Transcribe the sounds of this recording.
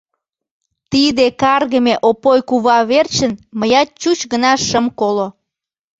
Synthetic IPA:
t̪id̪ekɑrɣəmeʔopojkuβɑβert͡ɕənməjɑt̪̚t͡ɕut͡ɕɣənɑʃəmkolo

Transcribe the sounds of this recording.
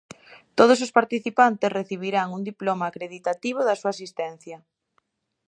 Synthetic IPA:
t̪oð̞os̬ospaɾt̪iθipant̪esreθiβ̞iɾaŋuŋd̪iplomaːkɾeðit̪at̪iβ̞oðɐsuasist̪ɛn̟θjɐ

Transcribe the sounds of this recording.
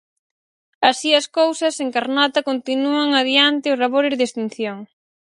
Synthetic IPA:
ɐsiɐskowsɐseŋkaɾnat̪ɐkont̪inuɐŋaðjant̪ɪʊsraβoɾezðest̪in̟θjoŋ

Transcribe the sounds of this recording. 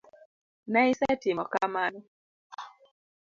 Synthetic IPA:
naisɛtɪmɔkamanɔ

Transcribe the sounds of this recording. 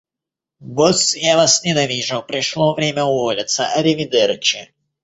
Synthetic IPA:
ɡɔsjavasnʲɪnɐvʲiʐɨwpɾʲɪʂlˠovɾʲemʲəʊvɔlʲɪt̪səʔɐɾʲɪvʲɪd̪ɛɾɨt͡ɕɪ

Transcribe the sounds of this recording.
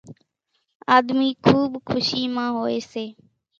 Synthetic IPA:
aːd̪miːkʰuːɓkʰʊʃiːmãːɦoːeːseː

